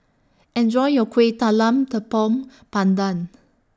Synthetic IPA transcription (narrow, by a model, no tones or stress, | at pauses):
ɛ̃nd͡ʒɔjjɔkʰwetalãmtəpɔ̃m | pãndãn